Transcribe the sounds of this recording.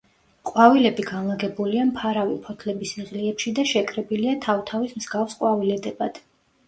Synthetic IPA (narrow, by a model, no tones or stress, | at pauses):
qʼwavilɛbiɡanlˠaɡɛbuliampʰaɾavipʰɔt̪ʰlɛbisiʁliɛpʃid̪aʃɛkʼɾɛbiliat̪ʰavt̪ʰavismz̥ɡafsqʼwavilɛd̪ɛbad̪̥